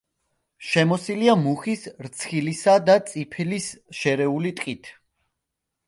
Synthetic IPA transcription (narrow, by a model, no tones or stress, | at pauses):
ʃɛmɔsiliamuχisɾt̪sʰχilisad̪at̪sʼipʰɛlisʃɛɾɛulit̪ʼqʼit̪ʰ